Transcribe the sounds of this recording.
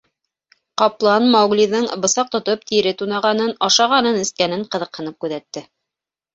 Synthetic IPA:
qɑplˠɑnmɑwliðɤɴbɤ̆sɑq̚t̪ŏt̪op̚t̪ʰiɾɘt̪unɑʁɑnɤnɑʃɑʁɑnɤnɘ̆skænɘɴqɤ̆ðɤ̆qhɤ̆nɤp̚kʉðæt̪ːɘ

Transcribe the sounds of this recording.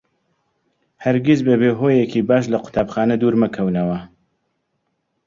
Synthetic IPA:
hɐɾɡizbɐbeɦoːjekiːbaːʃ̬lɐqʰʊ̥t̪ʰaːbxaːnɐd̪uːɾmɨkʰɐwnɐwɐ

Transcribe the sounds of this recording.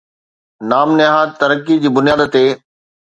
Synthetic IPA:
naːmnɪɦaːt̪ɐɾəkːid͡ʑiːbʊnijaːd̪t̪eː

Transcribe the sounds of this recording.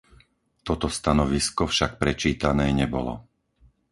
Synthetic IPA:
t̪ɔt̪ɔst̪anɔʋiskɔfʃak̚pɾɛt͡ʃiːt̪anɛːɲɛbɔlɔ̰

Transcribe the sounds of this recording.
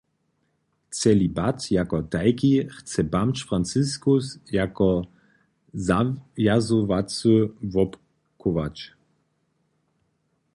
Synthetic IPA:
t͡sɛlibat̪jakɔtajkixt͡sɛbamt͡ʃfɾant̪t͡ssɪskusjakɔ | zajazɔvat͡sɨvɔp | kʰɔva̰t͡ʃ

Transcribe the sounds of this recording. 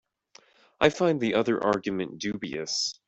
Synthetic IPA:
ʔaɪfãɪ̃nðiʔʌðə˞ʔɑɹɡjɨmɨ̃nd̥ʉbiɨ̰s

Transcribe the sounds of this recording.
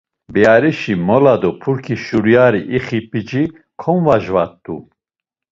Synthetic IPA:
bɛaɾiʃimɔlad̪ɔpʰuɾkʰiʃuɾujaɾiʔiχipʼid͡ʒi | kʰɔnvaʒvat̪ːṵ

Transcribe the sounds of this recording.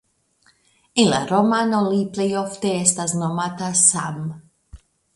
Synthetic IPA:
ilaɾomanoliplejoft̪eest̪aznomat̪asam

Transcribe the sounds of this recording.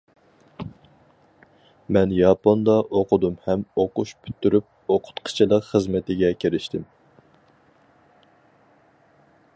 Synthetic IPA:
mɛnjɑpond̪ɑʔoqʰʊd̪umhɛmoquʃpʰy̥t̪ʰːyɾyp̚oqʰʊ̥t̪qʰə̥t͡ʃʰilˠəqχəzmɪt̪ɪɡʲɛkʲʰeɾɪʃt̪ʰɪm

